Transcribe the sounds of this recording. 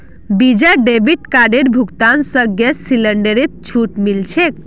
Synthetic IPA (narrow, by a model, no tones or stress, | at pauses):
bid͡ʒaɖebiʈkaɖeɾbʱukt̪ansəɡesiləɳɖeɾet̪̚t͡ʃʰuʈmilt͡ʃʰek̚